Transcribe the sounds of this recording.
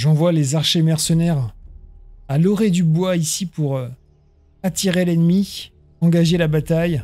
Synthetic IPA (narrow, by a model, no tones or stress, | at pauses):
ʒɑ̃vwalezaʁʃemɛʁsənɛʁ | alɔʁed̪ybwaisipuʁ | at̪iʁelɛnmi | ɑ̃ɡaʒelabat̪aj